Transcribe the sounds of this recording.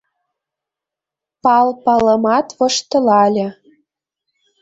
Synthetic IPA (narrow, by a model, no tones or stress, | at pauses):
pɑlpɑlɤ̆mɑt̪βɤ̆ʃt̪ɤ̆lɑlʲĕ